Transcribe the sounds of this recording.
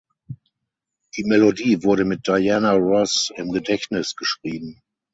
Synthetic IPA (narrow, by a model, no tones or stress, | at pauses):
d̥iːmɛlodiːvʊɐɾəmɪt̚d̥aɪjanaʁɔsɪmɡədɛçtnɪsɡ̥əʃʁ̥iːbm̩